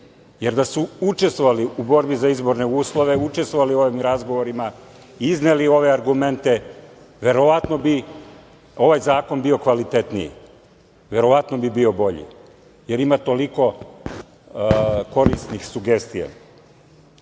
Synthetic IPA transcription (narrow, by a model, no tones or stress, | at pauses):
je̞ɾd̪asuut͡ʃest̪ʋo̞ʋaliubo̞ɾbizaizbo̞ɾne̞uːslˠo̞ʋe̞ut͡ʃe̞st̪ʋo̞ʋalio̞ʋimɾazɡo̞ʋo̞ɾima | iznelio̞ʋe̞aɾɡume̞nt̪e̞ | ʋe̞ɾo̞ʋat̪no̞bi | o̞ʋajzaːko̞nbio̞kʋalit̪e̞t̪nḭjḭ | ʋe̞ɾo̞ʋat̪nobibio̞bo̞ʎḭ | je̞ɾimat̪o̞liko̞ | ko̞ɾist̪nixsuɡe̞st̪ija̰